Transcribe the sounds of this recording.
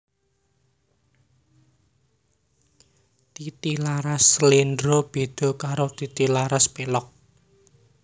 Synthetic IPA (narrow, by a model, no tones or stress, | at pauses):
t̪it̪ilaɾaslindɾob̥e̤d̪̥ɔ̤kaɾot̪it̪ilaɾaspelɔk̚